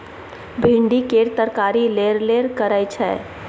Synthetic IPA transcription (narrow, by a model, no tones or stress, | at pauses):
bʱĩɳɖikeɾt̪əɾkaɾileɾleɾkəɾəjt͡ʃʰɛ